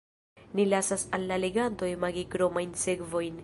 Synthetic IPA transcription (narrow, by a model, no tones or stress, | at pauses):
nilasasalːaleɡanto̞jmaɡikɾo̞majnse̞kvo̞jn